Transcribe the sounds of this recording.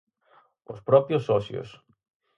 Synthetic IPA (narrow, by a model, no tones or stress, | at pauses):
ospɾo̞piososḭo̰s